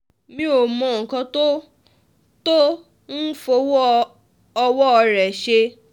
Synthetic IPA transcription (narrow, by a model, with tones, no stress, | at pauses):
mĩ˧˦o˨mɔ̃˨ŋ̩˨kã˧to˦ | to˦ | n̩˦fo˧wɔ˦ | ɔ˧wɔ˦ɔ˧ɾɛ˨ʃe˧